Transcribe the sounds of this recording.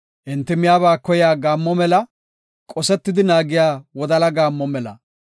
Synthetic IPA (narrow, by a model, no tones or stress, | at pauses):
ʔɪnt̪ːɪmɪjaːβaːkːɔjɪaːɡaːmːɔmɛlɐ | kʼɔsɛt̪ːɪd̪ɪnaːɡɪjaːwɔd̪ɐlɐɡaːmːɔmɛlɐ̰